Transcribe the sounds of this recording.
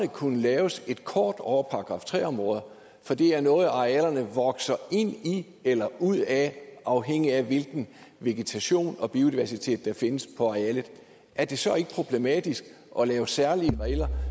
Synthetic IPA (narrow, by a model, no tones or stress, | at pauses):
nəkʰunəlɛːʊse̝d̥̚kʰɒːd̥ɒʊɐpʰɑ̈ːɡ̥ʁɑ̈ft͡sʰʁɛ̰ːɒ̽mʁɔ̽ːð̞ˠɐ | fɒ̽d̥e̝æɐnɔ̽ːð̩ˠɑ̈eælɐnəʋɒ̽ɡ̥sɐe̝n̰i | elɐuð̞̰ˠæʔɑ̈ʊɦeŋ̰iæʋe̝lɡ̥n̩ʋe̝ɡ̥et͡sʰæɕo̝̰ːnɒ̽b̥io̝d̥iʋæɐsit͡sʰe̝̰ːd̥ːɑ̈fe̝nəspʰɒ̽ɑ̈ælð̩ˠ | ʔæɐd̥e̝sɒ̽e̝ɡ̥əpʰʁo̝b̥le̝mɛd̥isɡ̥ | ʔɒ̽lɛːʊsæɐliəʁɛɪlɐ